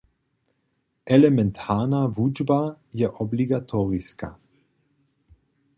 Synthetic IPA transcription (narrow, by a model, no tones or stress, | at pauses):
ʔɛlɛmɛnt̪ʰaːnavuːd͡ʒba | jɛʔɔbliɡat̪ʰɔːʁiska̰